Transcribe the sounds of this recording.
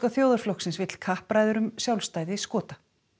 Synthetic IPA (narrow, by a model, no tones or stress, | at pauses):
kaθjoːwðaɾflowksɪnsvɪt̪l̥kʰahpɾajðʏɾʏmsjawlst̪aːjðɪskɔːt̪ḁ